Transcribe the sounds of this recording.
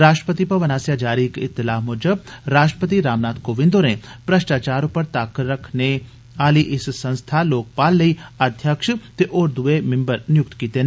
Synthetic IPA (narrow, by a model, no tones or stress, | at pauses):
ɾaːʃʈɾəpət̪ipɐʋəɐnaːsjad͡ʒaːɾikɪt̪ːɪlaːɦmʊːd͡ʒəbɾaːʃʈɾəpət̪iɾaːmnaːt̪koːʋɪ̃nd̪oːɾẽpɾɐʃʈaːt͡ʃaːɾõpɐɾt̪aːkəɾɐkʰne | aːliʔɪssɐ̃nst̪ʰaloːk̚paːlːɐiəd̪ʱjəkʃt̪eʔoːɾd̪uemɪ̃mbəɾnɪjʊk̚t̪kiːt̪e